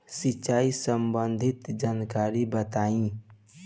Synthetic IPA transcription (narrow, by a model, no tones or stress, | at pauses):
sit͡ʃaːisəmbənd̪ʱɪt̪d͡ʒaːnkaɾibət̪aːĩ